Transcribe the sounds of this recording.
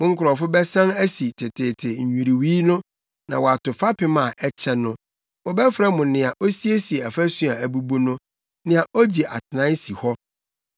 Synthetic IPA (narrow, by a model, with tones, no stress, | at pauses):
mʊ̃˦ŋ̩˦kʰʊ˨ɾɔ˨fʊ˦bɛ˦sã˦næ˦si˨tʰɪ˨tʰe˨tʰe˨ɲ̩˨ɲᶣũ˨ɾi˨wi˦nʊ̃˦ | nã̰˨wɔ˨a˨tʊ˨fa˦pʰɪ˨mã˨ʔɛ˦t͡ɕʰɛ˦nʊ̃˦ | wɔ˨bɛ˦fɾa˦mʊ̃˨nɪ̃˨a˨ʔo˦si˦e˦si˨e˨ɛ˨fæ˦sũ˦a˨æ˨bu˨bo˦nʊ̃˦ | nɪ̃˨a˨ʔo˦d͡ʑi˨ʔa̰˨tʰɪ˨nã˦n˦si˨hɔ˦